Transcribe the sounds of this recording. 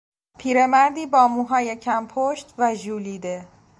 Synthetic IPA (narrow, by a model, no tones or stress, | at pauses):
pʰiːɾe̞mæɾd̪iːbɒːmuːɦɒːjecʰæmpʰoʃt̪væʒuːliːd̪e̞